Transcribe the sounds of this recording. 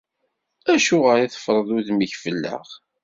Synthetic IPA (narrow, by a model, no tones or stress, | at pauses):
æʃuʁəɾˤiθə̥fɾˤəðʊðmiçfəlːə̰ʁ